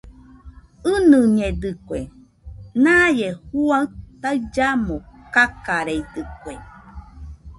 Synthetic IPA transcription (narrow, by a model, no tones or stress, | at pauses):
ɨnɨɲed̪ɨkʷe | najehuat̪aɨd͡ʒamokakaɾejd̪ɨkʷe